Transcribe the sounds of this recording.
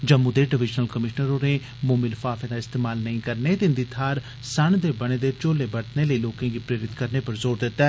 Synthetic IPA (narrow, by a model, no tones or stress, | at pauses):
d͡ʒəmud̪eːɖɪʋɪd͡ʒnəlkəmɪʃnəɾoːneː | moːmɪlfaːfẽːd̪aːɪst̪eːmaːlnəĩːkəɾneːt̪eɪnd̪iːt̪ʰaːɾ | səɳd̪eːbəɽ̃eːd̪eːt͡ʃoːleːbəɽt̪neːləiːloːkãːɡiːpɾeːɾɪt̪kəɾneːpəɾzoːɾd̪ɪt̪ːɛː